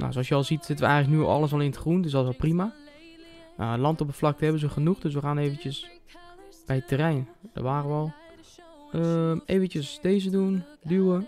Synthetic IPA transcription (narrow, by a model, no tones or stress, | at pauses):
na̰soɔsjəɔlˠsitsɪtənʋəɛ̰jɣənləknyoɑ̰lˠəs̬ɔlˠɪntəχrundøs̬dɔsɔlˠprima | a̰lɑntopəflɑk̚təɦɛbənzəxənuxdøs̬ʋəxaːneːvən̩tjəs | b̥ɛjətʰərɛjnd̥ə̰rʋaːrəʋɔlˠ | əeːvəntəsdeːz̬ədundywə